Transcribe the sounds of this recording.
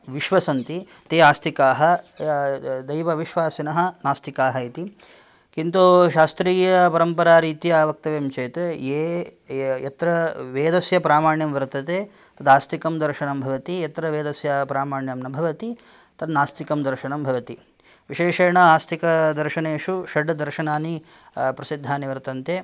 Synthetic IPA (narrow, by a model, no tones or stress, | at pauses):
ʋiʃʋɐsɐnt̪it̪eːaːst̪ʰikaːɦɐ | d̪ɐjʋɐʋiʃʋaːsinɐɦɐ̆naːst̪ikaːɦɐit̪i | kint̪uʃaːst̪ɾiːjɐpɐɾɐmpɐɾaːɾiːt̪ijaːʋɐk̚t̪ɐʋemt͡ʃeːt̪eː | jɐt̪ɾɐʋeːd̪ɐsjɐpɾaːmaːɳjɐmʋɐɾt̪ɐt̪eː | t̪ɐd̪aːst̪ikɐmd̪ɐɾʃɐɳɐmbʱɐʋɐt̪ijɐt̪ɾɐʋeːd̪ɐsjɐpɾaːmaːɳjɐmnɐbʱɐʋɐt̪i | t̪ɐnːaːst̪ikɐmd̪ɐɾʃɐɳɐmbʱɐʋɐt̪i | ʋiʃeːʂɐːɳɐaːst̪ʰikɐd̪ɐɾʃɐneːʂuʃɐɖːɐd̪ɐɾʃɐnaːni | pɾɐsid̪ʱːaːniʋɐɾt̪ɐnt̪eː